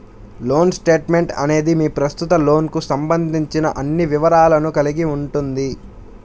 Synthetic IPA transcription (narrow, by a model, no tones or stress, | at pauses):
lo̞ːnsʈe̞ːʈme̞ɳʈɐ̰ne̞ːd̪imiːpɾɐst̪ut̪ɐlo̞ːnkusɐmbɐnd̪ʱiɲt͡ʃinɐʔɐnːiʋiʋɐɾaːlɐnukɐliɡiuɳʈund̪i